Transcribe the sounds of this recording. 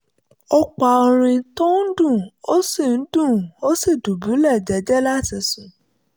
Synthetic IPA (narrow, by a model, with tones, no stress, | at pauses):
ɔ˦k͡pa˨o˧ɾ̃ĩ˧tɔ̃˦n̩˦dũ˦˨o˦si˦˨n̩˦dũ˦˨o˦si˦˨du˨bu˨˦lɛ˦˨d͡ʒɛ˨˦d͡ʒɛ˦la˦ti˧sũ˨